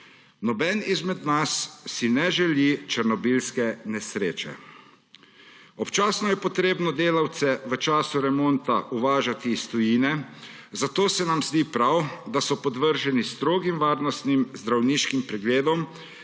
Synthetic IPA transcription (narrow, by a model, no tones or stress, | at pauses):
nɔbɛnizmɛd̪nasːinɛʒɛlit͡ʃəɾnɔbilskɛnɛsɾeːt͡ʃɛ̰ | ɔpt͡ʃaːsnɔjɛpɔt̪ɾeːbnɔd̪eːlawt̪sɛʋət͡ʃaːsuɾɛmoːnt̪aʔuʋaːʒat̪iːst̪ɔjiːnɛzat̪oːsɛnamzd̪ipɾawd̪asɔpɔd̪ʋəɾʒɛnist̪ɾoːɡimʋaːɾnɔst̪nimzd̪ɾawniːʃkimpɾɛɡleːd̪ɔm